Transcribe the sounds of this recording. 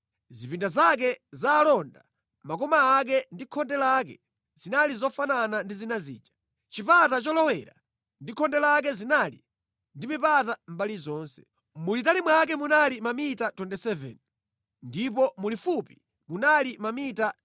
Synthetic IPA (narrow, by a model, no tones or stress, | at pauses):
zipindazak̬ɛzaːlɔnda | makɔmaːk̬ɛndikʰɔndɛlak̬ɛ̰ | z̥inalizɔfananandizinazḭːd͡ʒḁ | t͡ʃipatat͡ʃɔlɔwɛɾa̰ | ndikʰɔndɛlak̬ɛzinali | ndimipatam̩balizɔːnsɛ̥̰ | mulitalimwak̬ɛmunalimamitatwɛndɛsɛvɛ̰n | ndip̬ɔmulifupi | munalimamita